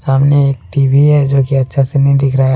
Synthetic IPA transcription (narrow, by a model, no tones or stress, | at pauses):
saːmneeːk̚ʈiːbiɦɛd͡ʒoːkiɐtːʃʰasenəɦĩd̪ɪkʰɾaa